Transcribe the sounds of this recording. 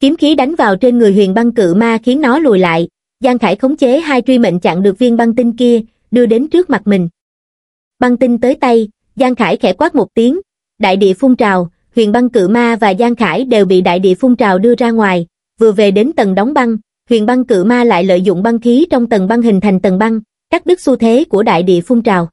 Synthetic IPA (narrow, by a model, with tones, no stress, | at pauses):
ki˨˦əmxi˨˦ɗa˨˦jŋ̟vaː˨˩wt͡ɕe˧nŋɨ˨˩əjɦwḭ˨ənɓa˧ŋkɨ̰˧˨maː˧xi˨˦ənːɔ˨˦lṵ˧˨jla̰ː˧˨j | zaː˧ŋxaː˧˩jxə˨˦wŋ͡mt͡ɕe˨˦ɦaː˧jt͡ɕwi˧mḛ˧˨ŋ̟t͡ɕa̰ː˧˨ŋɗɨ˨˩ək̚vi˧ənɓa˧ŋt̪i˧nki˧ə | ɗɨ˧əɗe˨˦nt͡ɕɨ˦˥ək̚ma˨˩t̚mï˨˩ŋ̟ | ɓa˧ŋt̪i˧nt̪əː˨˦jt̪a˧j | zaː˧ŋxaː˧˩jxɛ˧˩kwaː˦˥t̚mo˨˩t̚t̪i˨˦əŋ | ɗa̰ː˧˨jɗḭ˧˨əfʊ˧wŋ͡mt͡ɕaː˨˩w | hwḭ˧˨ənɓa˧ŋkɨ̰˧˨maː˧vaː˨˩zaː˧ŋxaː˧˩jɗe˨˩wɓḭ˧˨ɗa̰ː˧˨jɗḭ˧˨əfʊ˧wŋ͡mt͡ɕaː˨˩wɗɨ˧əzaː˧ŋwaː˨˩j | vɨ˨˩əve˨˩ɗe˨˦nt̪ə˨˩nɗa˨˦wŋ͡mɓa˧ŋ | hwḭ˧˨ənɓa˧ŋkɨ̰˧˨maː˧la̰ː˧˨jlə̰ː˧˨jzʊ̰˧˨ŋ͡mɓa˧nxi˨˦t͡ɕɔ˧wŋ͡mt̪ə˨˩nɓa˧nɦï˨˩ŋ̟t̪ʰa˨˩jŋ̟t̪ə˨˩nɓa˧ŋ | kaː˦˥k̚ɗɨ˦˥k̚su˧t̪ʰe˨˦ku˧˩əɗa̰ː˧˨jɗḭ˧˨əfʊ˧ŋ͡mt͡ɕaː˨˩w